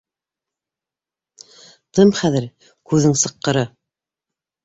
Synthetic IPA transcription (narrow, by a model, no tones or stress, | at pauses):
t̪ɤmχæðɘɾ | kʉðɘŋsɤ̆qːɤ̆ɾɤ